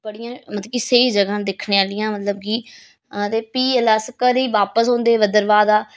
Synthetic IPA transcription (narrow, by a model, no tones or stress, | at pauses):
bəɽɪjãːmət̪əkiseːd͡ʒəɡãːd̪eːkʰɳeːaːlɪjãːmət̪ləb̚kiː | t̪eːpiːəlaːsəkəɾiːʋaːpəsɦõːnd̪eːʋəd̪əɾʋaːd̪aː